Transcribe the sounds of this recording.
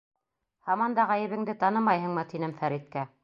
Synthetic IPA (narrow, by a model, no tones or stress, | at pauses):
hɑmɑnd̪ɑʁæjɘ̆βɘ̆ŋd̪ɘt̪ɑnɤmɑjɦɤ̆ɴmɤt̪inɘmfæɾit̪̚kæ